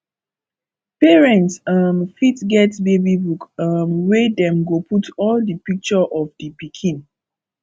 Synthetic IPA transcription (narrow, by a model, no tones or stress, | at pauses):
pɛɹɛ̃ntsʌmfitɡɛtbebibukʌmwedɛ̃mɡoputʰɔldipik̚t͡ʃɔʔɔfdipikʰĩn